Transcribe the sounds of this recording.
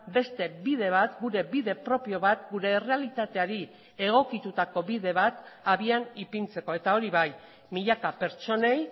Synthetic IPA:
be̞st̪e̞bið̞e̞β̞at̪ɡuɾe̞biðe̞pɾo̞pio̞βat̪ɡuɾe̞ːre̞alit̪at̪e̞aɾi | e̞ɣ̞o̞kit̪ut̪ako̞βiðe̞β̞at̪aβianipint͡se̞ko̞e̞t̪ao̞ɾiβaj | miʎakape̞ɾt͡ʃo̞ne̞j

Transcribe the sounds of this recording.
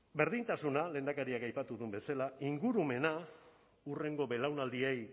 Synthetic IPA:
be̞ɾðint̪asunale̞ːnd̪akaɾiakajpat̪uðumbe̞salaiŋɡuɾume̞na | ure̞ŋɡo̞be̞lawnald̪iej

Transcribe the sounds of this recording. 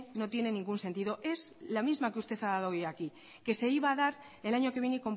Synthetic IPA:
no̞t̪je̞ne̞nĩŋɡunse̞nt̪iðo̞ʔe̞zlamizmakeust̪e̞θaðað̞oojaki | ke̞se̞iβaːðaɾ | e̞laɲo̞keβje̞neiko̞mp

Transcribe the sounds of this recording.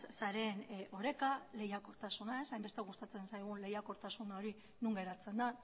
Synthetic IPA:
saɾe̞ːno̞ɾe̞kale̞jako̞ɾt̪asunae̞sajmbe̞st̪eɣ̞ust̪at͡se̞nsajɣ̞ule̞jako̞ɾt̪asunao̞ɾi | nuŋɡe̞ɾat͡se̞nd̪a

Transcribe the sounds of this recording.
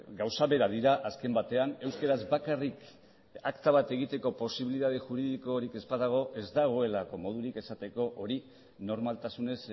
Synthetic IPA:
ɡawsaβe̞ɾaðiɾaʔaske̞mbat̪e̞ane̞wskeɾazbakarik | akt̪aβ̞at̪e̞ɣ̞it̪e̞ko̞po̞siβiliðað̞eʝuɾiðiko̞ɾike̞spaðaɣ̞o̞ʔe̞zd̪aɣ̞o̞e̞lako̞mo̞ð̞uɾike̞sat̪e̞ko̞ʔoɾi | no̞ɾmalt̪asune̞s

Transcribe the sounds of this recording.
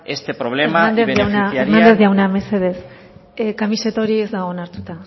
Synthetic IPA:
est̪epɾoβ̞lemaannd̪ezeaewnaaeɾnand̪e̞ziawname̞se̞ðe̞s | kamise̞t̪oɾiezd̪aɣo̞ːnaɾt̪ut̪a

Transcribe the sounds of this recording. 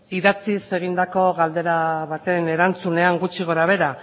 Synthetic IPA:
iðat͡sise̞ɣ̞ind̪ako̞ɣald̪e̞ɾaβat̪e̞ne̞ɾant͡sune̞aŋɡut͡ʃiɣ̞o̞ɾaβ̞e̞ɾa

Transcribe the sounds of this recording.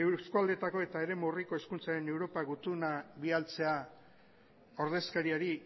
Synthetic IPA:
skuald̪e̞t̪ako̞e̞t̪aeɾe̞muriko̞e̞skunt͡saɾe̞ne̞wɾo̞paɣut̪unaβialt͡se̞a | o̞ɾð̞e̞skaɾiaɾi

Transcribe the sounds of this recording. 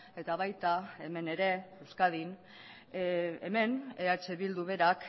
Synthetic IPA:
e̞t̪aβajt̪ae̞me̞ne̞ɾe̞ewskað̞in | ḛme̞neat͡ʃe̞βild̪uβe̞ɾak

